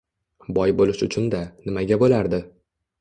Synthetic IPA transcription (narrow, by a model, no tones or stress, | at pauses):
bɒjbolɪʃʊt͡ʃʰʊnd̪anɪmaɡʲabolaɾd̪ɪ